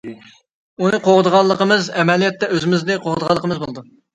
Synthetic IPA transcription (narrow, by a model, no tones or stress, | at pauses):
unɨqʰoʁəd̪əʁɑlˠːəqəmɨzɛmɛlijɛt̪ːɛøzɪmɪznɪqʰoʁd̪əʁɑlˠːəqʰəmɨzbolˠɨd̪u